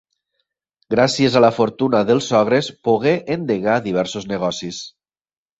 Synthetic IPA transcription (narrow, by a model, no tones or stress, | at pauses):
ɡɾasiezalafoɾt̪unaðəlˠsɔɣ̞ɾespoɣeʔend̪eɣaðiβ̞ɛɾsozneɣ̞ɔsis